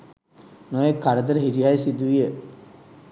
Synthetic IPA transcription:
noʋekaɾəd̪əɾəɦiɾiajsid̪uʋijə

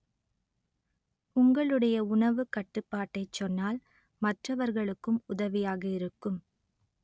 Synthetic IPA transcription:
ʊŋɡɐɭɯɽɐjɐʊɳɐʋɯkɐʈːɯpːaːʈːɐɪt͡ʃːɔnːaːl | mɐʈrɐʋɐɾɣɐɭɯkːɯmʊðɐʋɪjaːɣɐɪɾɯkːɯm

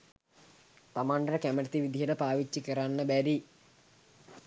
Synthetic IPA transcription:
t̪amaɳɖəɾəkæməɾət̪iʋid̪iɦəʈəpaːʋit͡ʃːikəɾanːəbæɾi

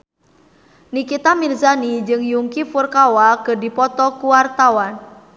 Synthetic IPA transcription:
nikit̪amilzanid͡ʒɨŋjuŋkifurkawakədipɔt̪ɔkuwart̪awan

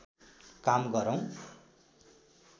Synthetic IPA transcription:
kamɡʌɾʌw̃

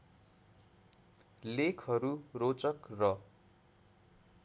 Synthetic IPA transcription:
lekʰɦʌɾurot͡sʌkrʌ

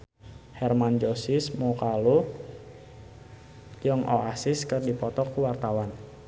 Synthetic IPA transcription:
hɛrmand͡ʒosɪsmokalu | jʊŋʔoʔasɪskərdipɔt̪ɔkuwart̪awan

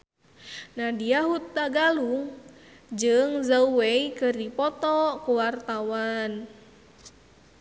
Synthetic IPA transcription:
nadiaɦut̪ːaɡaluŋ | d͡ʒɨŋzauwɛikɨrdipɔt̪ɔkuwart̪awan

